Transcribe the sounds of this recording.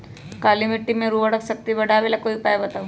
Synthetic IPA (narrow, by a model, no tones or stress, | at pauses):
kaːlimɪʈːimẽɾuɐɽəksɐk̚t̪ibɐɽʱaːʋelakoːipaːebɐt̪au